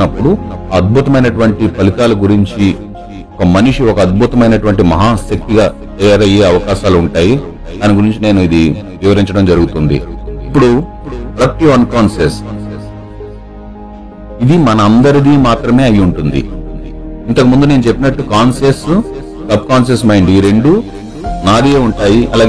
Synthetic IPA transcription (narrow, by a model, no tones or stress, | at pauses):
ɐpːuɽuɐd̪̚bʱut̪ɐmɐjnɐʈuʋɐɳʈipɐlit̪aːluɡuɾiɲt͡ʃi | ɔkɐmɐniʂiɔkɐːd̪̚bʱut̪ɐmɐjnɐʈuʋɐɳʈimɐɦaːsjɐk̚t̪iɡaː | t̪ɐjaːɾɐje̞ːɐʋɐkaːʃaːluuɳʈaːji | d̪aːniɡuɾiɲt͡ʃine̞ːnuid̪iʋiʋɐɾiɲt͡ʃɐɽɐmd͡ʒɐɾuɡut̪und̪ḭipːuɽu | pɽɐk̚ʈiʋɐnkaːnses | id̪imɐnɐːnd̪ɐɾid̪iːmaːt̪ɾɐme̞ːɐjuɳʈund̪ḭ | int̪ɐkimund̪une̞ːnut͡ʃe̞pːinɐʈːukaːnses | sɐb̚kaːnsesmɐjɳɖiɾe̞ɳɖu | naːd̪ieːuɳʈaːjiʔɐlaːɡ